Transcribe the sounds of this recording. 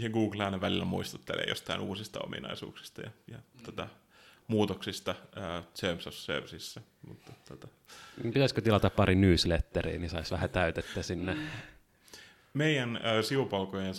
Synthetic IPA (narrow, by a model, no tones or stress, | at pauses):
heɡuːɡlæːneʋælilːæmuist̪u̥t̪ːelʔḛːjo̰st̪ɑinuːsist̪ɑo̰mḭnɑ̰isṵːksi̥st̪ɑjɑjɑt̪ot̪ɑ | muːt̪oksist̪ɑəːsemsosːø̰rsisːæ | mut̪ːot̪ːot̪ɑ | pit̪æsʲkøt̪ilɑt̪ɑppɑrinyːslet̪ːerḭːnisɑisʋæhæt̪æyt̪et̪ːæsinːe | meijænːsiupɑlkojen